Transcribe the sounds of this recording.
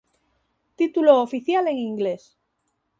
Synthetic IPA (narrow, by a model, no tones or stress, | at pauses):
t̪it̪uloːfiθjale̞ŋiŋɡles